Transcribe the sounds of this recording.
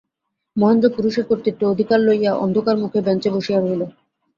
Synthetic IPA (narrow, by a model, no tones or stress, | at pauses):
mɔɦend̪ɾopuɾuʃekoɾt̪iʈːood̪ʱikaɾlojaʔɔ̰nd̪ʱokaɾmukʰebɛnt͡ɕeboʃiaɾɦolo